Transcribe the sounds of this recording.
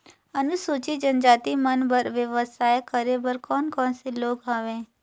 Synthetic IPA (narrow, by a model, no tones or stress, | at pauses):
ənusoːt͡ʃid͡ʒənd͡ʒaːt̪imənbəɾʋjəʋəsaːjkəɾebəɾkɔːnkɔ̃ːnseloːɡɦaːʋẽː